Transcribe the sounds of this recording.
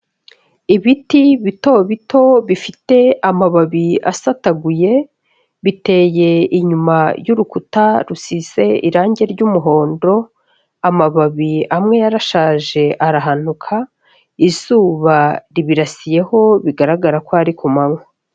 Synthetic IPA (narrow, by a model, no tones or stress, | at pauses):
iβitiβito̞βitʰo̞βifite̞amaβaβia̰sataɡuje̞ | βite̞ːje̞iɲumajuɾukutaɾusize̞ḭɾaːɲɟe̞ɾɟumuɦo̞ːndo̞ | amaβaβiamŋe̞jaɾaʃaːʒe̞ʔaɾaɦan̥ukʰa | iz̥uːβaɾiβiɾasije̞ho̞βiɡaɾaɡaɾakoaɾikʰumaŋo